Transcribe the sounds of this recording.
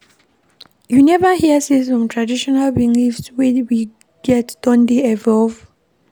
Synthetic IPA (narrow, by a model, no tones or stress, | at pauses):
junɛvəhiəsĩnsfɹɔ̃mtʰɹadiʃɔnalbĩŋlifswɛ̃wi | ɡ̥ɛtd̥ɔ̃ndiɛvɔlv